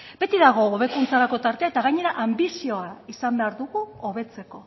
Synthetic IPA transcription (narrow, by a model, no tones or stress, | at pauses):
be̞t̪iðaɣ̞o̞ːβ̞e̞kunt͡saɾako̞t̪aɾt̪e̞ae̞t̪aɣaɲe̞ɾaʔambisio̞aisambe̞aɾðuɣuoβe̞t͡se̞ko̞